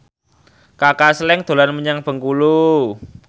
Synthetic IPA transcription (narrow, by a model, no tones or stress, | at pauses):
kakaslɛŋd̪̥o̤lanməɲaŋb̥ə̤ŋkulu